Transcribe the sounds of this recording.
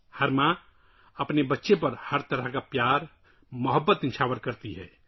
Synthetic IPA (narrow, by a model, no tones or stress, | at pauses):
həɾmã | əpnebətːʃepəɾhəɾt̪əɾəɦkapjaːɾ | məɦəbːət̪ɪ̃nt͡ʃʰaːwəɾkəɾt̪iɦɛ̰ː